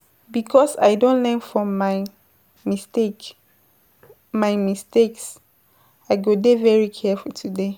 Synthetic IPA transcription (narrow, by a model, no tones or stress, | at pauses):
bikʰɔsa̰jdõntlɛ̃nfɹɔ̃ma | mistek | maɪmisteks | aɪɡodevɛɹikʰɛfultʰude